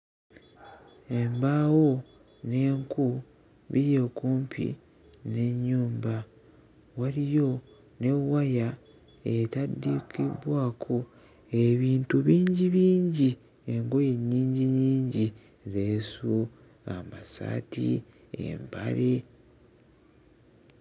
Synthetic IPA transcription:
e̞mbaːwo̞ | ne̞ːŋku | βiɾje̞kuːmpʰḭ | ne̞ɲːuːmba | walijo̞ | ne̞waja | etadːikḭβwaːkʰo̞ | eβiːntuβiːɲɟiβiːɲɟi | e̞ŋɡo̞je̞ɲːiːɲɟiɲiːɲɟi | ɾesu | amasa̰ːtḭ | ḛmba̰ɾe

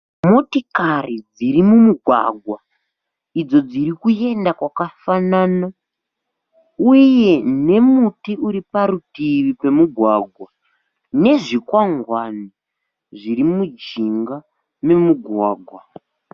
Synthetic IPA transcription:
mo̞tikarid͡ziɾimumuɡʱwa̰ɡʱwa | id͡zo̞d͡ziɾikue̞ndakwakafanaːna | uje̞ne̞mutiuɾipaɾutiʋipe̞muɡʱwaɡʱwa | ne̞ʐikwaŋɡwani | ʐiɾimud͡ʒiŋɡa | me̞muɡʱwaːɡʱwa

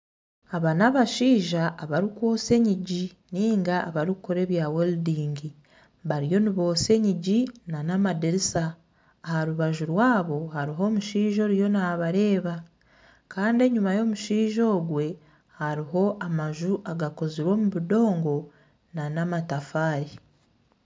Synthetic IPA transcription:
aβanaβaʃiːʒaːβaɾikwo̞ːse̞ɲiɟi | niːŋɡaːβaɾikukoɾe̞ːβjaweldiːŋɡi | βaɾijo̞niβo̞ːse̞ɲiɟinanamadeɾisaː | haɾuβaʒuɾwaːβo̞haɾiɦo̞ːmuʃiːʒo̞ɾijo̞naβaɾe̞ːβa | kaːndie̞ɲumajo̞muʃiːʒo̞ːɡwe̞ | haɾiɦo̞ʔamaʒuʔaɡako̞ziɾwo̞ːmuβido̞ːŋɡo̞ | nanamatafaːɾi

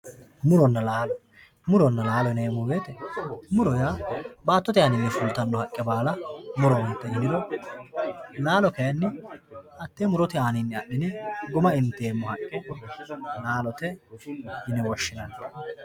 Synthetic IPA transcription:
mʊɾɔnːɐlaːlɔ | mʊɾɔnːɐlaːlɔneːmʊbeːt̪ɛmʊɾɔjaːbaːt̪ːɔt̪ɪaːnɪnːɛfʊlt̪ːɐnːɔhɐkʼːɛbaːlɐmʊɾɔnɛt̪ːɛnːɪd̪ɔ | laːlɔkɛjɐnːɪɐt̪ːemʊɾɔt̪ɪaːnɪnːɛɐʔːɪnɛɡʊmɐɪnt̪ːeːmːɔhɐkʼːɛ | laːlɔt̪ɛ | hɪnɛwɔʃːɪnɐnt̪ːɐ

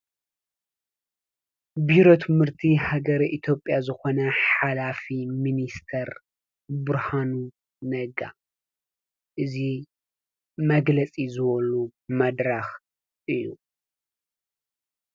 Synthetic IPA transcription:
biɾo̞t̪ʰɨmhɨɾt̪ʰihaɡɐɾʔit̪ʰjo̞pʼːjazɨxo̞nɐħalafiminist̪ʰɐɾ | bɨɾhanu | nɐɡa̰ | ʔɨzi | mɐɡlɐt͡sʼizɨβɐlumɐd̪ɾax | ʔɨjːu

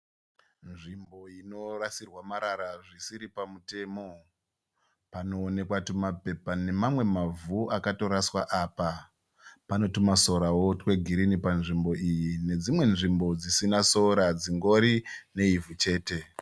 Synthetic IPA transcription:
nʐimbo̞ino̞rasirwamaɾaɾaʐisiɾipamute̞ːmo̞ | pano̞ːne̞kwatumape̞pane̞mamwe̞mavuakato̞ɾaswaʔaːpa | pano̞timaso̞ɾawo̞twe̞ɡʱiɾinipanʐimbo̞ijine̞d͡zimwe̞nʐimbo̞d͡zisinaso̞ɾad͡ziŋɡo̞ɾine̞ivut͡ʃe̞ːte̞

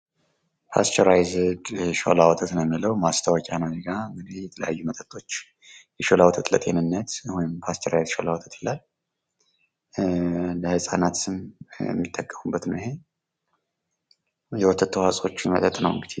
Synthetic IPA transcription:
pʰast̪ʰoɾajzɨdʃo̰lawɔt̪ʰət̪nəmːiləwmast̪ʰəwɔkʼanəɡaɨŋɡɨd̪ejɛt̪ʰələjajːumət̪ʼət̪ʼːo̞t͡ʃː | jɛʃolawɔt̪ʰət̪lət̪ʼenɨnːət̪hɔjɪmpʰast̪ʰoɾajzʃolawɔt̪ʰət̪ʰjelal | ləhɨsʼanat̪ɨmjɛ̰mːit̪ʼːəkʼːəmubːət̪nəɦe̞ | jɛwɔt̪ʰːət̪ʰːəhasʼo̞t͡ʃːmət̪ʼət̪ʼnəwɨŋɡɨd̪e

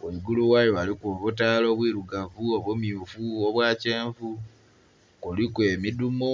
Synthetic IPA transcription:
weɡuluwajoalikoːβutaːlo̞βwiːɾuɡavuo̞βwumjufuoβwaːce̞ːɱvu | kulikwe̞midumo

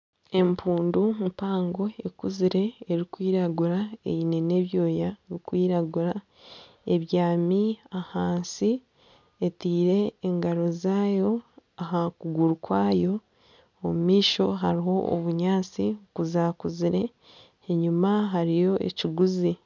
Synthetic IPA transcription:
e̞mpʰuːndumpaːŋɡo̞e̞kuziɾe̞ːɾikwiːɾaɡuɾaejine̞ne̞βjo̞ːjaɾikwiːɾaɡuɾa | e̞βjaːmiahaːnsi | etiːɾe̞ːŋɡaɾo̞zaːjo̞aɦakuɡuɾukwaːjo̞ | omumiːʃo̞ɦaɾiɦo̞o̰βuɲaːt͡sikuzaːkuziɾe̞ː | ɲumaɦaɾijo̞ḛciɡuzi

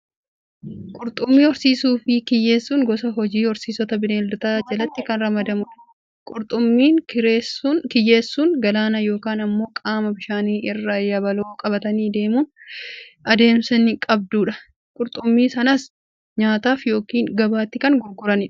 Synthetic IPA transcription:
kʼʊɾt̪ʼʊmːiːɔɾsiːsuːfɪkɪjːe̞ːsːuːŋɡɔsɐɦɔd͡ʒiːɔɾsiːsɔt̪ɐbɪneːld̪ʊt̪aːd͡ʒɐlɐt̪ːɪkɐnɾɐmɐd̪ɐmʊᶑɐ̥ | kʼʊɾt̪ʼʊmːiːɾeskɪjːeːsːuːnɡɐlaːnɐjo̞ːkaːnɐmːo̞ːkʼaːmɐbɪʃaːniːɪrːɐjɐbɐloːkʼɐbɐt̪ɐniːd̪e̞ːmuːn | ʔɐd̪e̞ːmsɐnɪkʼɐb̚d̪uːᶑɐ̥ | kʼʊɾt̪ʼʊmːiːsɐnɐs | ɲaːt̪aːfjo̞ːkiːnɡɐbaːt̪ːɪkɐnɡʊɾɡʊɾɐnɪᶑ

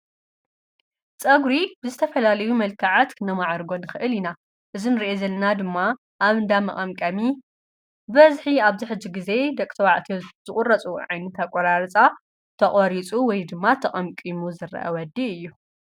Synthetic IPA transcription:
t͡sʼɐɡɾibɨzɨt̪ʰɐfɐlalɐjumɐlkʰaʕat̪kʰnɐmaʕaɾɡo̞nɨxɨʔɨlina | ʔɨzinɨɾiʔezɐlːɐnad̪ɨmːa | ʔaβɨnd̪amɐχʼɐmkʼɐmi | bɐzħiaβziħɨd͡ʒːiɡize̞d̪ɐkʼt̪ʰɐwaʕt̪ʰez̥ɨχʼʊrːɐt͡sʼuʕajnɨt̪ʰakʼːɐɾaɾt͡sʼa | t̪ʰɐχʼɔɾit͡sʼuwɔjd̪ɨmːat̪ʰɐχʼɐmkʼimuzɨrɐ̰ʔɐ̰wɐd̪iɨjːu

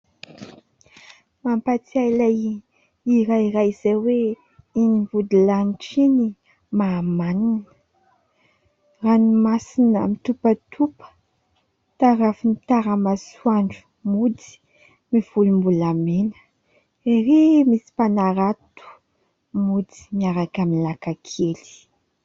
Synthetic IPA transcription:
mampat͡siajlaj | iɾajiɾajz̥ajwe | inivud̪ilamiʈ͡ʂini | mamaninə | ranimasinəmit̪upət̪ʰupə̥ | t̪aɾafinit̪aɾəmasuaɳɖ͡ʐu̥ | mud̪i̥ | miv̥ulumbulamenə̥ | eɾemisi̥panaɾat̪u̥ | mud̪i̥miaɾakaminlakakʰeli̥

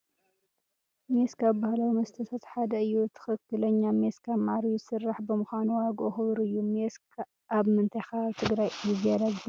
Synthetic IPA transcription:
meskaβbahlawimɐst̪ʰɐt̪ʰat̪ħad̪ɐɨjːut̪ʰɨ̥xɨkːɨlɐɲːameskʰamaʕɾisɨrːaħbɨmɨxʷanuwaɡʔuxɨβɨɾɨjːumesk | ʔaβmɨnt̪ʰɐjxat̪ʰɨɡɾajizialaɡ

